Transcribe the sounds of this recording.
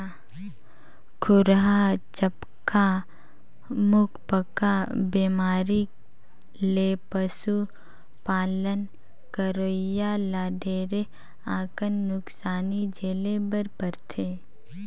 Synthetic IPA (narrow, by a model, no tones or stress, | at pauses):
kʰʊɾɦat͡ʃəp | ka | mʊkʰpəkabeːmaːɾi | leːpəsu | paːlən | kəɾoːjalaːɖʱeːɾe | ãːkənːʊksaːnid͡ʒeːlebəɾpəɾt̪ʰeː